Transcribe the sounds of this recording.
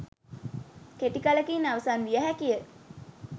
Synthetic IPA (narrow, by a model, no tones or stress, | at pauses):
keʈikaləkinaʋəsanʋijəɦækijə